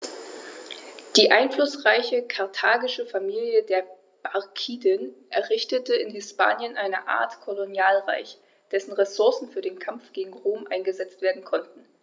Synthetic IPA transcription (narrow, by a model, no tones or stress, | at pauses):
d̥iːʔaɪnflʊsʁaɪçəkʰaɐtʰaːɡɪʃəfamiːljədeːɐ | b̥akʰiːdənʔɛɐʁɪçtətəɪnhɪspa̰ːnjənʔaɪnə̰ʔa̰ːɐtkʰolonjaːlʁa̰ɪç | d̥ɛsn̩ʁesʊɐsn̩fyːɐdeːnkʰamfɡ̥eːɡŋ̩ʁoːmʔa̰ɪnɡəzɛt͡stv̥eːɐdn̩kʰɔnt̚n̩